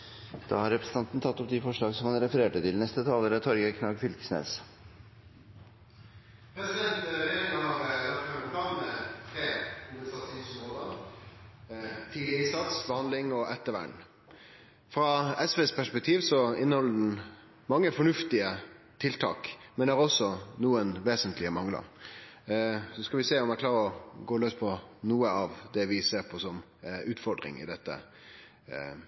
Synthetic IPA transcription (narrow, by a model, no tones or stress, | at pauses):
d̪̥ɑ̰ːhɑɾɛpɾəsn̩t̪ʰɑnt̪n̩t̪ʰɑt̪ːɔp̚d̪ɪfɔʂɭɑːɡsɔmhɑnɾɛfəɾeːʈət̪ɪlnɛst̪ət̪ʰɑːləɾət̪ʰɔɾɡəkʰnɑːɡfʏlk̪ə̥snḛːs | pʰɾɛsɪd̪ɛnt̪eɡ̪ɑɑɾət̪ɑøːɾpʰlɑːnmɛt̪ʰɾeːʊnəsɑt̪sɪnsnoːd̪ɑː | t̪ʰiːlɪəɪnsɑt̪sbəhɑnd̪lɪŋɔʔɛt̪ːəʋæ̰ɳ | fɾɑɛsʋeːspʰæʂpɛk̚t̪ʰiːʋsɔɪnːəhɔlːəɖɛn̩ | mɑŋːəfɔɳʉft̪ɪə | t̪ʰɪlt̪ʰɑ̰ːkmɛnæɾɔsːɔnuːənʋeːsənt̪lɪəmɑŋlə̰ɾ | sɔskɑlʋɪseːɔmæklɑːɾəɔɡoːløːspʰɔnuːəɑʋd̪ɛʋɪseːɾpʰɔsɔm | ʉːt̪fɔɾd̪ɾɪ̰ŋɪ̰d̪ɛt̪ːə̰